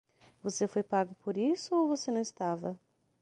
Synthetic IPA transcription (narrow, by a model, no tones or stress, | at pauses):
vosefojpaɡʊpʰoɾisʊowvosenɐ̃w̃st̪avɐ